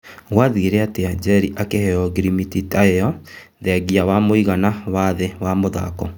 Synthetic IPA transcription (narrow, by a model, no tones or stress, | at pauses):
ɣwaðieɾeateaɲd͡ʒɛɾiʔakehɛɔɡiɾimititaeɔ | ðɛaɣiawamoiɣanawaðewamoða̰kɔ